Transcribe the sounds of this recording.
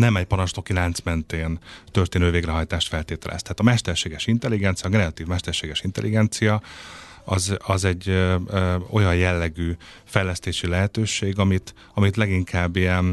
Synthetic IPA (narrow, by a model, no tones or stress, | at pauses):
nɛmɛcpɒɾɒnʃt̪o̞kilaːnt̪smɛnt̪eːnt̪ø̞rt̪eːnøːveːɡrɛɦɒjt̪aːʃt̪fɛlt̪eːt̪ɛlʔɛ̰st̪ɛɦaːt̪ɒmɛʃt̪ɛrʃeːɡɛʃint̪ɛlːiɡɛnt̪sijɒːkrɛɒt̪iːvmɛʃt̪ɛrʃeːɡɛʃint̪ɛ̰lʔiɡɛnt̪sijɒ | ɒzɒzɛɟː | o̞̰jɒnjɛlːɛɡyːfɛjlɛst̪eːʃilɛɦɛt̪øːʃeːɡɒmit̪ | ɒmit̪lɛɡiŋkʰaːbːijɛn